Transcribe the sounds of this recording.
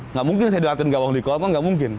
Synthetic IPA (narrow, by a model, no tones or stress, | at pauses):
ŋɡaʔmuŋkɪnsajadəlat̪ɪnɡaʔwaŋlikɔmaŋɡaʔmuŋkɪn